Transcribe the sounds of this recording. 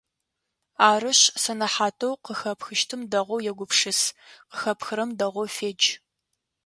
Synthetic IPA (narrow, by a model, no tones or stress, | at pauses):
aːrɨɕsɐnɐħaːtʰɐwqəxɐpxɨʃtʰɨmdɐʁʷɔwjɛɡʷʊpʂɨsqəxɐpʰxɨɾɐmdɐʁʷɔwfeːd͡ʒ